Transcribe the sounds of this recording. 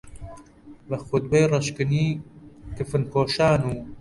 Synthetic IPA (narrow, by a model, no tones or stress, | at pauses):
lɐxud̪̚bejrɐʃkɨniːkɨfɨnkoːʃaːnuː